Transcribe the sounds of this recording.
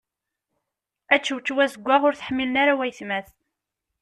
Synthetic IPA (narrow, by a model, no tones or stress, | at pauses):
æt͡ʃːəwt͡ʃːwæsəɡʷːaʁʊɾθə̥ħmːilənaɾawæjθmæθ